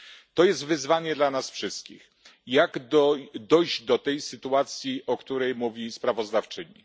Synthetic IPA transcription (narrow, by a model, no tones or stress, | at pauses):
t̪ɔjɛst̪vɘzvaɲɛd̪lanasfʂɘst̪̚kʲḭx | jaɡd̪ɔd̪ɔjʑd̪ɔt̪ɛjsɘt̪uat̪sʲjiʔɔkt̪uɾɛjmuvʲispɾavɔzd̪aft͡ʂɘɲḭ